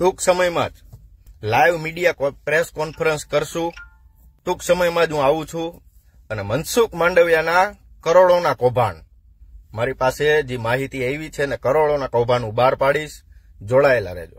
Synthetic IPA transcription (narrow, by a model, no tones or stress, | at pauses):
ʈuksəməjmã̰d͡ʒ | lajʋmiɖijapɾeskɔnfʰəɾənskəɾʃũ | ʈ̪uksəməjmãd͡ʒɦũaʋũt͡ʃʰũ | ənemənsukmãɳɖəʋjanakəɾoɭonakɔbʱa̰n | maɾipased͡ʒimaɦit̪iajʋit͡ʃʰenekəɾoɭonakɔbʱanũbaɾpaɽiʃ | d͡ʒoɭaela̰ɾḛd͡ʒo̰